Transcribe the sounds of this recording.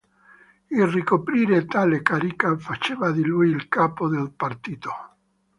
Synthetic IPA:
ilrikopɾiːɾet̪alekaɾikafat͡ʃevad̪ilujilkapod̪elpart̪iːt̪o

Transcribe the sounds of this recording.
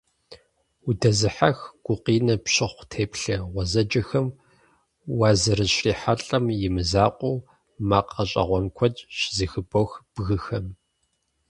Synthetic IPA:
udɐzɨħaxɡ̥ʷʊqiːnɐpɕɪχʷtʰeːpɬɐʁʷɔzɐd͡ʒɐxɐm | wɑːzɐɾɨɕriːħaɬʼɐmjɪmɨzaːqʷʼuː | maːqɐɕʼɐ̰ʁʷɔnkʷʰɔt͡ʃʼɕzɨxɨboxb̥ɣɨxɐm

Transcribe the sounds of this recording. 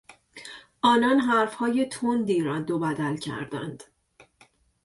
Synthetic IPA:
ʔɒːnɒːnɦæɾfhɒːje̞t̪ʰond̪iːɾɒːd̪obæd̪ælcʰæ̰ɾd̪æ̰nd̪̥

